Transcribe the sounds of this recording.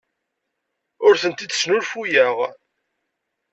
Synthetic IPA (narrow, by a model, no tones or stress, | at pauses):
ʊɾθənt̪id̪̥snʊɾfujæʁ